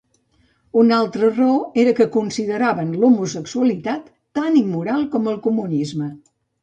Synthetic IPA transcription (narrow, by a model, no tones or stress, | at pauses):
unalˠt̪ɾəroeɾəkəkunsiðəɾaβənlumusəksuəlit̪at̪ːanimːuɾalˠkɔməlˠkumunizmə